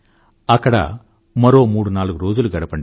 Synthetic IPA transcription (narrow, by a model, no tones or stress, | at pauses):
ɐkːɐɽɐ̰ | mɐɾo̞ːmuːɽunaːluɡuɾo̞ːd͡ʒuluɡɐɽɐpɐɳɖi